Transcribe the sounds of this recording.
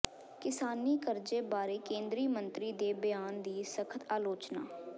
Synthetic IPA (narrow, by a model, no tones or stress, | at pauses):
kɪsaːniːkəɾd͡ʒeːbaːɾeːkẽːnd̪ɾiːmənt̪ɾiːd̪eːbɪjaːnd̪iːsəkʰət̪aːloːt͡ʃna̰ː